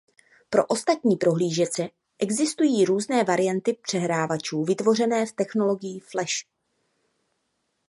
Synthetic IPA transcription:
pɾo̞ʔo̞st̪at̪ɲiːpɾo̞ɦliːʒɛt͡sɛ | ʔɛɡzɪst̪ujiːɾuːznɛːvaɾɪjant̪ɪpr̝̥ɛɦɾaːvat͡ʃuːvɪt̪vo̞rɛnɛːft̪ɛxno̞lo̞ɡɪjiflɛʃ

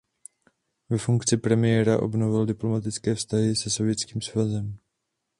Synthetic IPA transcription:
vɛfuŋkt͡sɪpɾɛmɪjɛːɾaʔo̞̰bno̞vɪldɪplo̞mat̪ɪt͡skɛːfst̪aɦɪsɛso̞vjɛt͡skiːmsvazɛm

